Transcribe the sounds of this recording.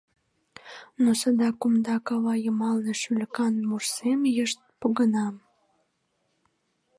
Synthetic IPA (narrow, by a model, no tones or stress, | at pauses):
nosəd̪ɑkumd̪ɑkɑβɑjəmɑlneʃylʲkɑnmursemjəʃt̪̚poɣənɑm